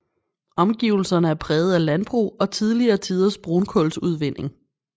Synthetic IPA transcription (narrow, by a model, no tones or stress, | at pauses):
ɒ̽mɡ̥iʊl̩sɐnəæɐpʰʁɛːð̞̩ˠælænb̥ʁṵːɒ̽t͡sʰið̞ˠliɐːt͡sʰiːð̞ˠɐsb̥ʁonkʰɔlsuð̞ˠʋen̰e̝ŋ